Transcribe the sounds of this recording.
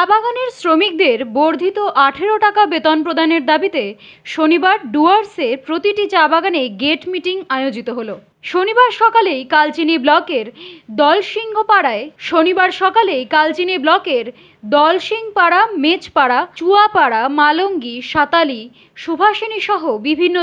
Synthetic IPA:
t͡ɕabaɡaneɾsɾomik̚d̪eɾboɾd̪ʱit̪oʔaʈʰeɾoʈakabet̪onpɾod̪ʱaneɾd̪abit̪e | ʃonibaɾɖuaɾseɾpɾot̪iʈit͡ɕabaɡaneɡeʈmiʈiŋaeod͡ʑit̪oɦolo | ʃonibaɾʃɔkalejkalt͡ɕiniblɔkeɾd̪ɔlʃiŋɡʱopaɽaeʃonibaɾʃɔkalejkalt͡ɕiniblɔkeɾ | d̪ɔlʃiŋpaɽamet͡ɕpaɽat͡ɕuapaɽamaloŋɡiʃat̪ali | ʃubʱaʃoniʃɔɦobibʱinːo

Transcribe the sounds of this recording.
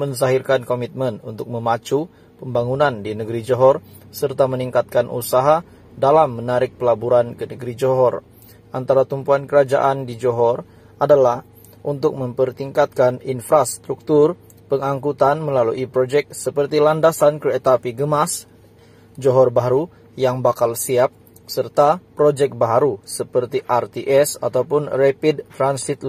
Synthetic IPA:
mənsaɦirkankomit̪̚mənunt̪ʊk̚məmat͡ʃu | pəmbaŋunandinəɡəɾid͡ʒoɦɔr | sərt̪aməniŋkat̪̚kanʔṵsaɦa | dalamːənaɾɪk̚pəlabuɾankənəɡəɾid͡ʒoɦɔr | ʔant̪aɾat̪umpuankəɾad͡ʒa̰ʔandid͡ʒoɦɔr | adalah | ʔunt̪ʊk̚məmpərt̪iŋkat̪̚kaninfɾast̪ɾuk̚t̪ur | pəŋaŋkut̪anməlaluʔipɾod͡ʒɛk̚səpərt̪ilandasanket̪apiɡəmas | d͡ʒoɦɔrbaɾu | jaŋbakalsiap̚ | sərt̪apɾod͡ʒɛk̚baɦaɾusəpərt̪iʔart̪iʔɛsat̪awpʊnrɛpidt̪ɾansit̪l

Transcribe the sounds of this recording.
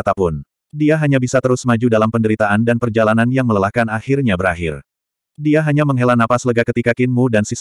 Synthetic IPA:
t̪apʊn | diaɦaɲabisat̪əɾʊsmad͡ʒudalampəndəɾit̪aʔandanpərd͡ʒalananjaŋmələlahkanahɪrɲabəɾaɦɪr | diaɦaɲaməŋɦelanapasələɡakət̪ikakɪnmudansis

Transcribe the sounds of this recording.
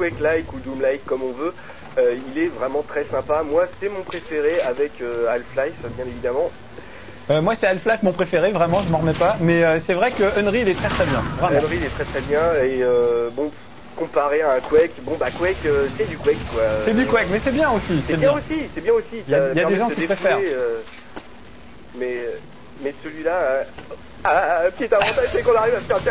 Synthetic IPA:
kwɛklajkud̪umlajkːɔmɔ̃vø | øilɛvʁɛmɑ̃t̪χɛsɛ̃pamwasɛmɔ̃pχefeʁeavɛkøalflajfbjɛ̃nevid̪amɑ̃ | ømwasɛalflajfmɔ̃pχefeʁevʁɛmɑ̃ʒəməʁmɛpamɛøsɛvʁɛkəœnʁiːlɛt̪χɛt̪χɛbjɛ̃vʁɛɔ̃nʁilɛt̪χɛt̪χɛbjɛ̃eøbɔ̃ | kɔ̃paʁeaɛ̃kwɛkbɔ̃bakwɛkøsɛd̪ykwɛkkːwaøsɛd̪ykwɛkmɛsɛbjɛ̃osisɛbjɛ̃osisɛbjɛ̃osiaailjadɛd̪eʒɑ̃k̪səkiepχeffɛʁeø | mɛø | mɛsəlɥila | akʲiɛt̪avɑ̃t̪aʒsɛkɔ̃naʁivafɛ̃t̪ɛ

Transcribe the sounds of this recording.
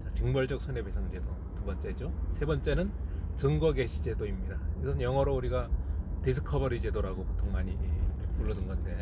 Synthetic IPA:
t͡ɕat͡ɕɯŋbʌɭd͡ʑʌk̚sʰune̞besʰaŋid͡ʑe̞do | tubʌnt͡ɕ͈e̞d͡ʑosʰe̞bʌnt͡ɕ͈e̞nɯnt͡ɕɯŋɡʌɡe̞ɕʰid͡ʑe̞doimɲidaiɡʌsʰɯnjʌŋʌɾouɾiɡatesʰɯkʰʌbʌɾid͡ʑe̞doɾaɡopotʰoŋmaɲimuɭːʌdɯnɡʌnde̞

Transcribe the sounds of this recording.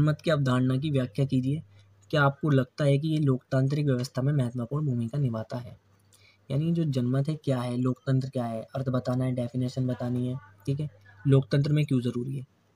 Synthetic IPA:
nmət̪kiaːp̚d̪ʱaːɽnak̬iʋjaːkjakiːd͡ʒie | kiaːp̚kolɐɡ̚t̪aɦɛk̬ijeloːkt̪ãːnt̪̬ɾɪk̬ʋjɐʋəst̪ʰamẽmɛɦət̪mapɔːɾbʱuːmikanɪʋaːt̪aɦɛ̰ː | ja̰ːnid͡ʒoːd͡ʒɐnmət̪ɦɛkjaːɦɛloːkt̪ə̃nt̪ɾəkjaːɦɛʔɐɾt̪ʰbɐt̪aːnaɦɛɖɛːfɪneːʃənbɐt̪aːniɦɛːʈʰiːkɦɛloːk̚t̪ə̃nt̪̬ɾəmẽkjũzɐɾuːɾiɦɛː

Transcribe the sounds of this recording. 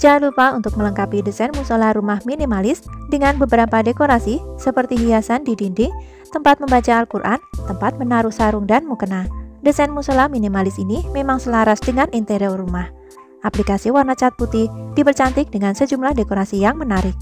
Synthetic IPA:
d͡ʒalupaunt̪ʊk̚mələŋkapidəsɛnmusolaɾumahminimalɪsdəŋanbəbəɾapadekoɾasisəpərt̪iɦijasandidindɪŋ | t̪əmpat̪̚məmbat͡ʃaːlkurʔa̰nt̪əmpat̪̚mənaɾʊhsaɾʊŋdanmukənadəsɛnmusolahminimalɪsinimemaŋsəlaɾasdəŋanint̪eɾiɔrumah | ʔaplikasiwarnat͡ʃat̪̚put̪ɪhd̥ipərt͡ʃant̪ɪk̚dəŋansəd͡ʒumlahdekoɾasijaŋmənaɾɪk̚

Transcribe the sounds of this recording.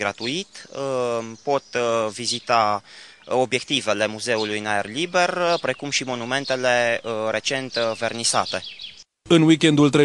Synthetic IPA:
ɡɾat̪uit̪ | po̞t̪vizit̪a | o̞bje̞k̚t̪ive̞le̞muze̞ulujnaerlibe̞rpɾe̞kumʃimo̞nume̞nt̪e̞le̞əɾe̞t͡ʃe̞nt̪ve̞rnisa̰t̪e̞ | ɨnwikʲend̪ult̪ɾe

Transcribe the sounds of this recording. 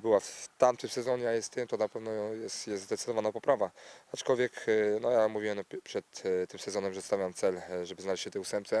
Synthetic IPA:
bɘwaft̪amt̪ɘmsɛzɔɲɛjajɛst̪ɛmt̪ɔnapɛvnɔjɛst̪jɛst̪zd̪ɛt̪sd̪ɔvanapɔpɾʔavaat͡ʂkɔlvʲjɛknɔjamuvʲiwɛmnɔpʂɛt̪ːɘmsɛzɔnɛmʐɛst̪avʲjawmt̪sɛlʐɛbɘznalɛɕt͡ɕɕːɛt̪ɛusɛmp̪̚sɛ

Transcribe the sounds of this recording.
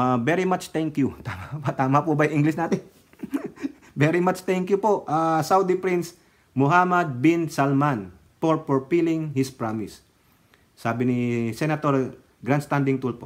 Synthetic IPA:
abɛɾimat͡ʃt̪ɛŋkjut̪amapt̪aːmɐpʊbajʊʔiŋɡlɪsnaːt̪ɛn | bɛɾimat͡ʃt̪ɛŋkjʊpoʔʔasawd̪ɪpɾins | mʊɦamɐd̪̚binsalman | foɹpɔɹpilɪŋhɪspɹamɪsː | aːbɪnɪsɛnɐt̪oɹ | ɡɾand̪st̪and̪ɪŋt̪ulpo

